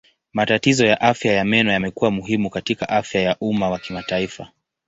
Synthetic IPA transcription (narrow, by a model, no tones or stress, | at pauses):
matatizɔjaʔafjajamɛnɔjamɛkuwamuɦimukatikaʔafjajaʔumawakimataifa